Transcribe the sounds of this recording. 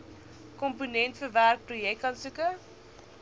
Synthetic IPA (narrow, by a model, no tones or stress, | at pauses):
kɔmpunɛntfəværk̚projɛk̚tɐnsukə